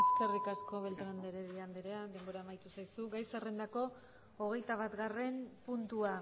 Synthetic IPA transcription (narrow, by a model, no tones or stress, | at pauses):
eske̞rikasko̞βe̞lt̪ɾand̪eɾeðiand̪eɾead̪e̞mbo̞ɾaːmajt̪usajsuɡajsere̞nd̪ako̞ː | ɣ̞e̞jt̪aβat̪ɡare̞mpunt̪ua